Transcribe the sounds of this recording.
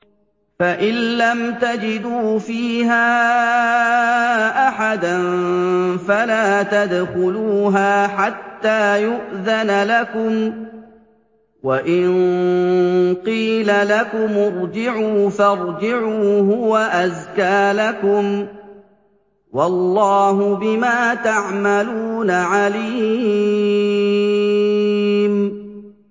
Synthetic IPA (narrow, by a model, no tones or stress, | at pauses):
faʔɪnlːamt̪ad͡ʒɪd̪uːfiːhaː | ʔaħad̪anfalaːt̪ad̪xʊluːɦaːħat̪ːaːjʊʔðanalakʊm | waʔɪnn | qiːlalakʊmʊɾˤd͡ʒɪʕuːfɑɾˤd͡ʒɪʕuːɦʊwaʔazkaːlakʊm | wɑlːɑːɦʊbɪmaːt̪aʕmaluːnaʕaliː | m